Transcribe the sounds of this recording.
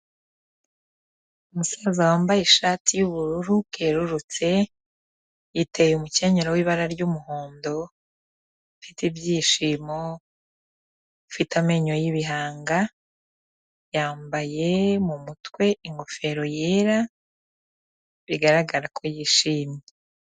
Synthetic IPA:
umusazawaːmbajeʃaːtʰijuβuɾuɾukeɾuɾut͡se̞ | jitejumuce̞ɲeɾowiːβaɾaɾɟumuho̞ːndo̞ | ifitibjiːʃiːmo | ifitame̞ɲojiβiɦaːŋɡa | jaːmbaje̞mumutwe̞iŋɡo̞fe̞ɾo̞je̞ːɾa | βiɡaɾaɡaɾakʰojiːʃiːmje

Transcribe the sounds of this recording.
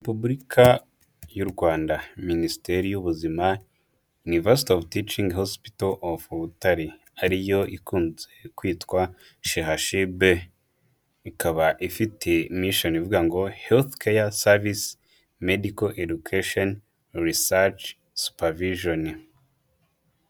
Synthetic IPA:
epublɾikʰa | juɾɡwaːndaministeɾijuβuzima | junives̬i̥tovtit͡ʃiŋɡhospi̥taʔofuβutaɾi | aɾijo̞ʔikuːnzekwiːtkwa | ʃehaʃibe | ikaβaʔifitʰe̞miʃonivuɡaŋɡo̞helθkʰejasavis | medikoʔedukʰaʃon | ɾisat͡ʃ | su̥paviʒon

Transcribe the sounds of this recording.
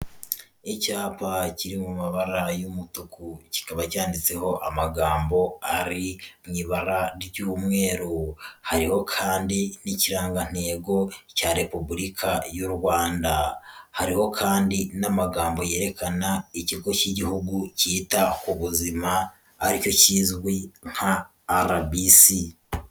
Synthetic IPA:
icaːpaciɾimumaβaɾajumutukuci̥kaβacaːndit͡se̞ho̞ʔamaɡaːmbo̞aɾimɲiβaɾaɾiɟuumŋe̞ːɾuhaɾiho̞kʰaːndiniciɾaːŋɡan̥e̞ːɡo̞caɾe̞pubuɾikʰajuɾwaːndahaɾiho̞kʰaːndinamaɡaːmbo̞je̞ːɾe̞kanaiciɡo̞ciɟihuɡuciːtakuβuzima | aɾico̞ciːzɡwiŋ̥haː | ɾabisi

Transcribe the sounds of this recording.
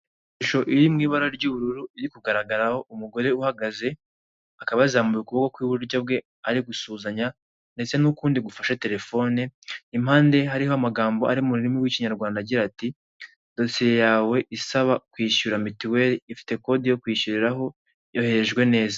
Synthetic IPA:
ʃuʃo̞ʔiɾimŋiːβaɾaɾɟuːβuɾuɾuiɾikuɡaɾaɡaɾaho̞ʔumuɡo̞ɾe̞uhaɡaze̞ | akaβaizaːmbujukuβokokwiːβuɾɟabɡe̞ | aɾiɡusuːzaɲa | nde̞t͡se̞nukuːndiɡufaʃate̞ɾe̞fo̞ːneim̥haːnde̞ɦaɾiɦo̞amaɡaːmbo̞a̰ɾimuɾiɾimiwiːciɲaɾɡwaːndaɟiɾati | d̥o̞sijejaːwe̞ʔisaβakwiːʃuɾamitiwe̞ɾiifi̥te̞ko̞dijo̞kwiːʃuɾiɾaɦo̞ | jo̞he̞ɾeʒɡwe̞ne̞ːza

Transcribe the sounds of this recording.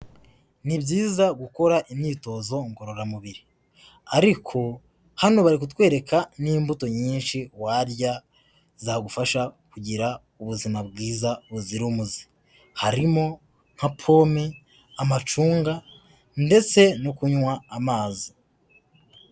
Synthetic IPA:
nibɟiːzaɡuko̞ɾaʔimɲiːto̞zo̞ŋɡo̞ɾo̞ɾamuβiɾi | aɾikʰo̞ | hano̞βaɾik̬utwe̞ːɾe̞kʰaniːmbuto̞ɲiːnʃiwaɾja | zaɡufaʃakuɟiɾa | uβuzimabɡiːzaβuziɾumuzi̥ | haɾimo̞ | ŋ̥hapʰo̞ːmi | amat͡ʃuːŋɡa | nde̞t͡se̞nokuɲwaːmaːzi

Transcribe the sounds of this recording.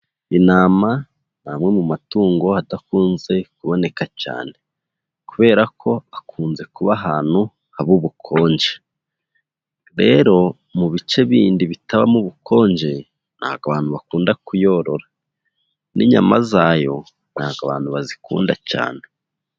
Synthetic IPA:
inaːma | naːmŋe̞mumatuːŋɡo̞hatakuːnze̞kuβo̞ne̞kaca̰ːne̞ | kuβe̞ːɾakʰo̞akuːnze̞kuβaɦaːn̥hu | haβuβukʰo̞ːɲd͡ʒe | ɾe̞ɾo̞ | muβit͡ʃe̞βiːndiβitaβa̰muβukʰo̞ːɲd͡ʒe̞ | n̥ha̰ːɡaβaːn̥huβakuːndakujo̞ːɾo̞ɾa | nḭɲa̰ma̰zaːjo̞ | n̥aːɡaβaːn̥huβazikṵːndaca̰ːne̞

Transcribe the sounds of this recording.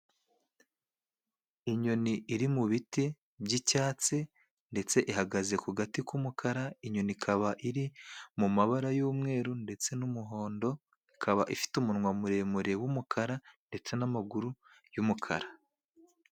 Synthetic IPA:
iɲo̞niʔːɾimuβiti | bɟicaːt͡se | nde̞t͡se̞ʔiɦaɡaze̞kuɡatikumukʰaɾaiɲo̞nikʰaβaʔiɾimumaβaɾajuːmŋe̞ːɾunde̞t͡se̞numuɦo̞ːndo̞ | ikʰaβaʔifi̥tumunŋwamuɾe̞muɾe̞wumukʰaɾande̞t͡se̞namaɡuɾu | jumukʰa̰ɾa

